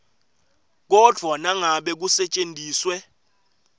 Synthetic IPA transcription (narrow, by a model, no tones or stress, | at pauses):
k̬ɔd̥ʱwanaŋaɓɛk̬usɛt͡ʃʼendʱiːswɛ